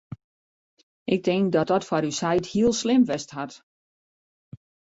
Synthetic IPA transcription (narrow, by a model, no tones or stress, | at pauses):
ʔɪk̚tɪŋkdɔt̚ɔtfɔɾysɛjthiəlˠslɪmʋɛstɦat